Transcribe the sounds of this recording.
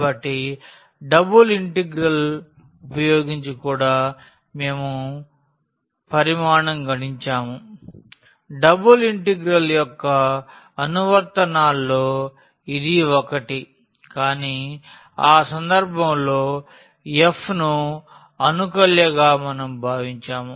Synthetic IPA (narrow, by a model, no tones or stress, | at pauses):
ɐʈːi | ɖɐbuliɳʈeɡɾɐl | upɐjoːɡiɲt͡ʃikuːɽaː | me̞ːmu | pɐɾimaːɳɐmɡɐɽiɲt͡ʃaːmu | ɖɐbuliɳʈeɡɾɐljɔkːɐː | nuʋɐɾt̪ɐnaːlːoː | id̪iʋɔkɐʈi | kaːniː | aːsɐnd̪ɐɾbʱɐmloː | epʰnu | ɐnukɐljɐɡaːmɐnɐmbʱaːʋiɲt͡ʃaːmu